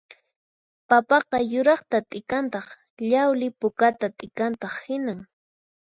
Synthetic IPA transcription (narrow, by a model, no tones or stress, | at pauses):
papɑqɑjʊɾɑχt̪at̪ʼɪkant̪ɑχ | ʎawlɪpʊkat̪at̪ʼɪkant̪ɑχhɪnaŋ